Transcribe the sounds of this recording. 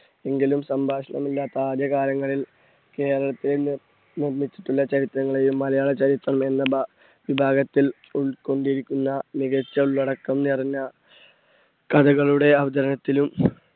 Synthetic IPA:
e̞ŋɡilumsɐmbʱaːʂɐɳɐ̰milːaːt̪ːɐaːd̪jɐkaːɾjɐŋːɐɭil | ke̞ːɾɐɭɐt̪ːile | nirmit͡ɕːi̥ʈːuɭːɐt͡ɕɐɾit̪ɾɐŋːɐɭejumːɐlɐjaːɭet͡ɕɐɾit̪ːrɐme̞nːɐb | ʋibʱaːɡɐt̪ːil | uɭko̞ɳɖijɾikʲːunːɐmiɣɐt͡ɕːɐuɭːɐɽɐkːɐmnirɲːɐ | kɐd̪ɐɣɐɭuɽe̞ɐʋɐd̪ɐɾɐnɐt̪ːilum

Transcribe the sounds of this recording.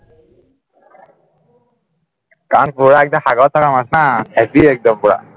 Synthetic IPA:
kanpuɽaek̚d̪ahaɡawt̪ʰakamasnahɛpiek̚d̪əmpuɽa̰

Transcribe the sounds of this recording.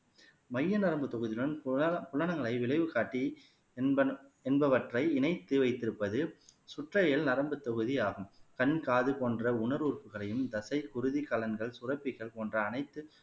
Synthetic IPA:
mɐjːɐnɐɾɐmbɯt̪ːɔɣɯðɪjɭɐnpʊɭːɐnɐŋɡɐɭɐɪʋɪɭɐɪʋɯkaːʈːi | ɛnbɐʋɐʈrɐɪɪnɐɪt̪ːɯʋɐɪt̪ːɪɾɯpːɐðɯsʊʈrɐjɪlnɐɾɐmbɯt̪ːɔɣɯðijaːɣɯmkɐnkaːðɯpoːndrɐʊnɐɾuːrpɯɣɐɭɐjɯmd̪ɐsɐɪkʊɾɯðikɐlɐnɡɐɭsʊrɐpːɪɣɐɭpoːndrɐːnɐɪt̪ːɯ

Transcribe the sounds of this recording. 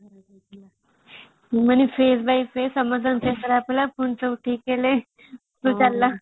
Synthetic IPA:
mənifesbaifesəməd͡zənfesəɾaaplapuɳt͡səuʈʰiːkele | t̪ut͡salːa

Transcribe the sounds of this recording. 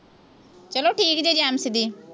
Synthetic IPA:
t͡ʃəloːʈʰiːkd͡ʒed͡ʒɛːmsɪd̪iː

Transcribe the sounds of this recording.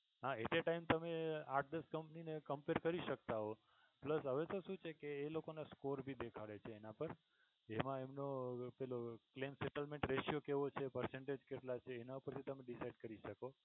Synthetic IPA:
ɦãet̪eʈaimt̪əmeaʈ̚ʰd̪əskəmpninekəmpeɾkəɾiʃək̚t̪aɦo | pləsɦəʋet̪oʃũt͡ʃʰekeːlokonaskoɾbʱid̪ekʰaɭet͡ʃʰeːnapəɾ | emãemnopɛloklemsɛʈəlmẽɳʈɾeʃijokeʋot͡ʃʰepəɾsẽɳʈed͡ʒkeʈlat͡ʃʰeːnaupəɾt̪ʰit̪əmẽɖisaiɖkəɾiʃəko

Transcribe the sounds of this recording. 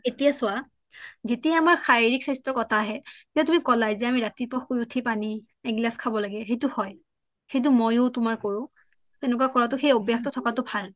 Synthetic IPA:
etijasʊwa | zetiaamaɹxajiɹiksajstɔɹkɔtʰaɦɛtiatumikɔlajzɛamiɹatipɔxkojutʰipani | ɛɡlaskʰabɔlaɡɛɦejtʊhɔj | xejt̬ʊmojʊtʊmaɹkoɹʊ̃ | tɛnʊkakɔɹatʊxejobjaxtɔtʰɔkatʊbʱal

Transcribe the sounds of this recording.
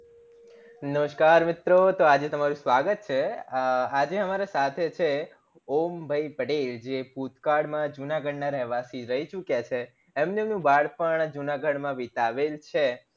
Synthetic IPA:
nəʋəʃkaɾmɪt̪ɾot̪oad͡ʒet̪əmaɾũsʋaɡət̪̚t͡ʃʰe | ad͡ʒeəmaɾasat̪ʰet͡ʃʰe | ombʱəipəʈeld͡ʒeput̪kaɽmãd͡ʒunaɡəɽnaɾɛɦʋasiɾəɦit͡ʃukjat͡ʃʰeː | mnemnũbaɽpəɳd͡ʒunaɡəɽmãʋit̪aʋelt͡ʃʰe

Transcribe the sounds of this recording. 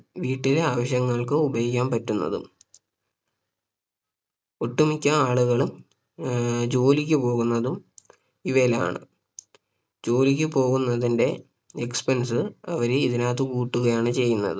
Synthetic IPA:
ʋiːʈːileaːʋɐɕjɐŋːɐɭkɨubɐjikʲːaːmpɐtːunːɐ̰ðṵm | uʈːumikʲːɐaːɭuɣɐɭum | d͡ʑo̞ːlik̬ʲːɨpo̞ːɣunːɐðum | iʋela̰ːɳɨ̰ | d͡ʑo̞ːlik̬ʲːɨpo̞ːɣunːɐðinde̞ | ekspensɨɐʋɐɾeiðinaːt̪ɨkuːʈːuɣɐjaːɳɨt͡ɕe̞jːunːɐ̰ðɨ

